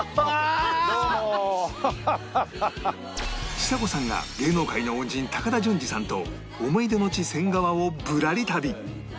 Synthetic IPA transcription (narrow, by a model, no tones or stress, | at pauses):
ɕi̥t̪ako̞sãŋɡa̰ɡe̞ːno̞ːkainoõɲd͡ʑĩnt̪akad̪aʑɨ̃ɲ̟d͡ʑisãnt̪o̞̰ː | mo̞id̪e̞no̞t͡ɕisẽ̞ŋɡaβaobɯ̟ɾaɾʲit̪abʲi